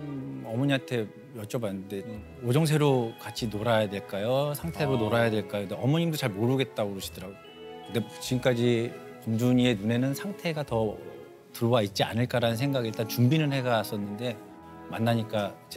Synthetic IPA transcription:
ʌmʌɲiantʰe̞ | jʌt͡ɕ͈ʌbanːɯnde̞ | od͡ʑʌŋsʰe̞ɾokat͡ɕʰinoɾajadwe̞ɭk͈ajosʰaŋtʰe̞ɾonoɾajadwe̞ɭk͈ajokɯndeʌmʌɲimdot͡ɕaɭmoɾɯɡe̞t̚t͈auɾʌɕʰi̥dɯɾaɡo | kɯnde̞t͡ɕiɡɯmk͈ad͡ʑi | pund͡ʑuɲie̞nune̞nɯnsʰaŋtʰe̞ɡatʌ | tɯɾowait̚t͡ɕ͈ia̰nɯɭk͈aɾanɯnsʰe̞ŋɡaɡiɭt͈at͡ɕumbinɯnhe̞ɡas͈ʌnːɯnde̞ | manːaɲik͈at͡ɕe

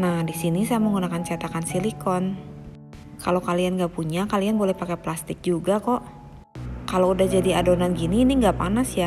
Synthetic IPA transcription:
nahdisinisaaməŋɡunakant͡ʃat̪akansilikɔn | kalokalianŋɡapuɲakalianbolɛhpakeplast̪ɪk̚d͡ʒuɡakɔʔ | kaloudahd͡ʒadiadonanɡiniːniŋɡapanasja

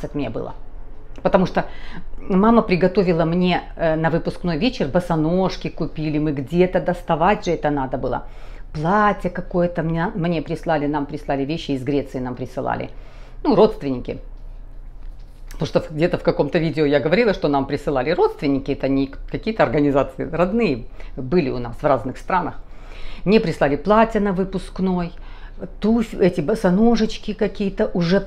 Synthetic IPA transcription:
sɐt̪mnʲebɨ̰lˠə̰ | pət̪ɐmuʂt̪o | maməpɾʲɪɡɐt̪o̞vʲɪlˠəmnʲe̞ | ənɐvɨpʊskno̞jvʲet͡ɕɪrbəsɐnoʂkʲɪkʊpʲilʲɪmɨɡdʲet̪əd̪ɐst̪ɐvatʲʐɨɛt̪ənad̪əbɨlˠə̰plˠatʲəkɐko̞jət̪əmʲmnʲe̞pɾʲɪslˠalʲɪnampɾʲɪslˠalʲɪvʲeɕːɪːzɡɾʲe̞t̪sɨɪnampɾʲɪsɨlˠa̰lʲɪ̰ | nuɾo̞t̪st̪vʲɪnʲɪkʲɪ̰ | t̪oʂt̪ofɡ̚dʲet̪əfkɐko̞mt̪əvʲidʲɪʊjaɡəvɐɾʲilˠəʂt̪o̞nampɾʲɪsɨlˠalʲɪɾo̞t̪st̪vʲɪnʲːɪkʲɪɛt̪əɐnʲɪkɐkʲijət̪əɐrɡənʲɪzat̪sɨɪrɐd̪nɨjəbɨlʲɪʊnasvraznɨxst̪ɾanəxmnʲepɾʲɪslalʲɪplˠatʲənɐvɨpʊsknoj | t̪ufʲɛtʲɪbəsɐnoʐɨt͡ɕkʲɪkɐkʲijət̪əʔʊʐɛ

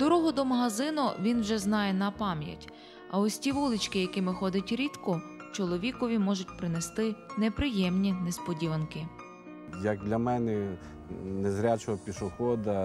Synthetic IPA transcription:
d̪̥ɔɾɔɦɔd̪ɔmɐɦɐzɪnʊʋʲinwʒɛznɑjɛnɐpɑmjɐ̰tʲ | ɐ̰ɔsʲtʲiʋulˠɪt͡ʃkɪjɐkɪmɪxɔd̪ɪtʲɾʲit̪kʊt͡ʃɔlˠɔʋʲikɔʋʲimɔʒʊtʲpɾɪnest̪ɪnepɾɪjɛmnʲinespɔdʲiʋɐnkɪ | jɐk̚d̪lʲɐmɛnɛ | nezɾʲat͡ʃɔɔpʲiʃʊxɔd̪ɐ

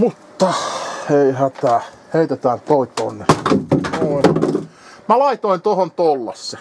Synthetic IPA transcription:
mut̪ːɑeihæt̪æ | heit̪et̪æːnt̪oit̪onːenoi | mælɑit̪oint̪ohont̪olːɑ̰sːe

